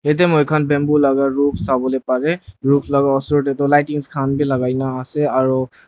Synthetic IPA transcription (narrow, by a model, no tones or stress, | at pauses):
et̬emojkʰanbɛmbulaɡaɹupʰsabɔlepaɹɛɹupʰlaɡaɔsɔtetɔlajtiŋskʰanbʱilaɡajnaːsɛaɹu